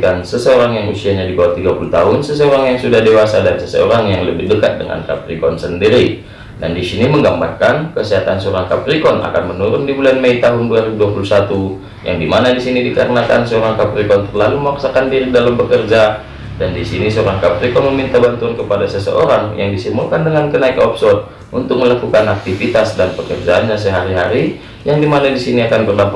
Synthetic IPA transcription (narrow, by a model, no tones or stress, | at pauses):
kansəsəoɾaŋjaŋusiaɲadibawat̪iɡapulut̪aɦʊnsəsəoɾaŋjaŋsudahdewasadansəsə̰o̰ɾaŋjaŋləbɪhdəkat̪̚dəŋa̰nka̰prikɔnsəndiɾi | dandisiniməŋɡambarkankəsiɦat̪ansəoɾaŋkaprikɔna̰kanmənuɾʊndibulanmeit̪aɦʊnduaɾibuduapulusat̪u | ja̰ŋdimanadisinidikaɾənaka̰nsəoɾaŋkapɾikɔnt̪ərlaluməmaksakandiɾidalambəkərd͡ʒa | dandisinisəoɾaŋkapɾikɔnməmint̪abant̪uankəpadasəsə̰ʔo̰ɾaŋja̰ŋdisimulkandəŋankənaikɔpsɔt̪̚ | ʔunt̪ʊk̚məlakukanak̚t̪ifit̪asdanpəkərd͡ʒaːnɲas̬əɦaɾiɦaɾi | jaŋdimanadisiniakanbərdapa